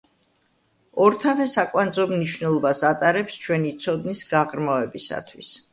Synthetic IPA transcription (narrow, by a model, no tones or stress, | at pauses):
ɔɾt̪ʰavɛsakʼwand̪zɔmniʃvnɛlˠɔbasat̪ʼaɾɛpst͡ʃʰwɛnit̪sʰɔd̪nisɡaʁɾmavɛbisa̰t̪ʰwis